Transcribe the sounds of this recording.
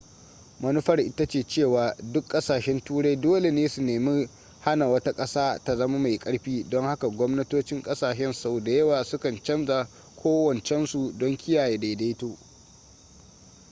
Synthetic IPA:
mɐ˦nu˦ɸɐ˦rʔɪ˦ta˦t͡ʃeː˨t͡ʃeː˦˨waː˨dʊ˦kʼːɐ˦saː˨ʃɛ˦ntuː˦ɽa˦jdoː˦le˨neː˦su˨neː˨mi˦ | ha˦na˨wɐ˦ta˦kʼɐ˦saː˦ta˨zɐ˦ma˦ma˨jkʼɐ˦ɽɸiː˦dɔ˦ŋha˦ka˨ɡʷɔ˦mnɐ˦toː˦t͡ʃɪ˦ŋkʼɐ˦saː˨ʃɛ˦nsa˨wda˨jɐ˦waː˨sʊ˦kɐ˨nt͡ʃɐ˦mza˨ | kʷʰoː˦wɐ˨nt͡ʃɛ˦nsu˨dɔ˦ŋkʲɪ˦jaː˨jeː˨da˨da˦toː˦

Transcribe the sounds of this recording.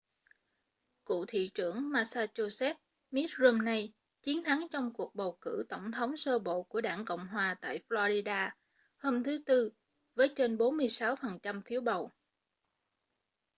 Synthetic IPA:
kṵ˧˨t̪ʰḭ˧˨t͡ɕɨ˧˩əŋmaː˧saː˧t͡ɕo˧sɛ˦˥t̚ | mi˦˥t̚zu˧mna˧j | t͡ɕi˨˦ənt̪ʰa˨˦ŋt͡ɕɔ˧wŋ͡mku˨˩ək̚ɓə˨˩wkɨ̰˧˥t̪ə˧˩wŋ͡mt̪ʰə˨˦wŋ͡msəː˧ɓo̰˧˨ku˧˩əɗaː˧˩ŋkə̰˧˨wŋ͡mɦwaː˨˩t̪a̰ː˧˨jflɔ˧zi˧ɗaː˧ | hoː˧mt̪ʰɨ˨˦t̪ɨ˧ | vəː˨˦jt͡ɕe˧nɓo˨˦nmɨ˧əjsa˨˦wfə˨˩nt͡ɕa˧mfi˨˦əwɓə˨˩w

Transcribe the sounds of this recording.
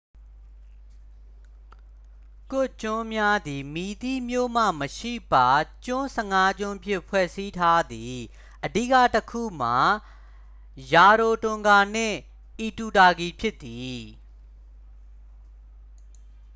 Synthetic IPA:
kʊ˦˨t͡ɕʊ̃˦mja˦d̪i˨mi˨t̪i˦˨mjo̰˦˨m̥ä̰˦˨məʃḭ˦˨pa˨t͡ɕʊ̃˦sɛ˨ŋa˦t͡ɕʊ̃˦mpʰjɪ̰̃˦˨pʰwɛ˦˨ʔsi˦tʰa˦d̪ði˨ | ʔədḭ˦˨ka̰˦˨təkʰṵ˦˨m̥a˨ | ja˨ɾo˨tʊ̃˨ŋɡa˨n̥ɪ̰̃˦˨ | ʔi˨tu˨ta˨ɡi˨pʰjɪ˦t̪ːi˨

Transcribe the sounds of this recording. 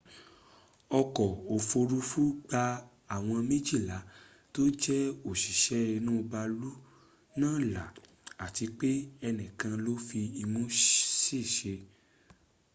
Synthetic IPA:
ɔ˧kɔ˨o˨fo˧ɾu˦fu˦ɡ͡ba˧ | a˦˨w̃ɔ̃˧mẽ˦d͡ʒi˦˨la˨˦ | to˦d͡ʒɛ˦o˨ʃi˨ʃɛ˨˦i˧nũ˦˧ba˧lu˦ | nãː˦˨la̰˨ | a˨ti˧k͡pe˦ɛ˧nɛ̃˨kã˧lo˦fi˧i˧mũ˦si˦˨ʃe˧

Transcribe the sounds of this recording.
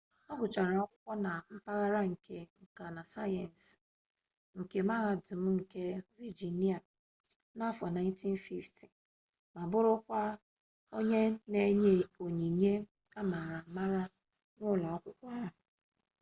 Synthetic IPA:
ɔ˦ɡʷʊ˨t͡ʃa˨ɾa˨ɔ˦kʷʊ˦kʷɔ˦na˨m̩˦pa˦ɣa˦ɾa˦ŋ̩˨kʰe˨ŋ̩˨ka˨na˨sa˦jɛ˨n̩˨s | ŋ̩˨ke˨ma˦ɣa˨dʊ˨m̩˦ŋ̩˨ke˦vi˨d͡ʒi˨ni˦a˨ | na˦fɔ˨na˨ɪn˦ti˦n̩˦fi˦fti̥˨ | ma˨bʊ˦ɾʊ˦kʷa˦ | o˦ɲe˦ne˨ɲe˦˨o˨ɲi˨ɲe˦ | a˦ma˨ɣa˨ma˦ɣa˦ | nʊ˦la˨ɔ˦kʷʊ˦kʷɔ˦a˦ɦʊ˨

